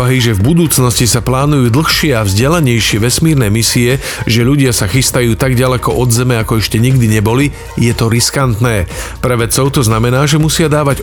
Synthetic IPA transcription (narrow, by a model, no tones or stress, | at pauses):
aɦiʒɛvbud̪uːt͡snɔscisaplaːnujuːd̪l̩xʃɪɛavzɟɛlaɲɛjʃɪɛʋɛsmiːɾnɛːmisiɛ | ʒɛʎuɟɪasaxist̪ajuːt̪aɡɟalɛkɔʔɔd̪zɛmɛakɔɛʃcɛɲiɡd̪iɲɛbɔli | jɛt̪ɔɾiskant̪nɛːpɾɛʋɛt͡sɔʊt̪ɔznamɛnaːʒɛmusɪad̪aːʋaɟ